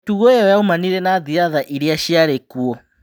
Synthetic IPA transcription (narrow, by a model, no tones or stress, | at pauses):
tuɣɔɔjaumaniɾɛnaðiaðaʔiɾiaʃiaɾɛkuɔ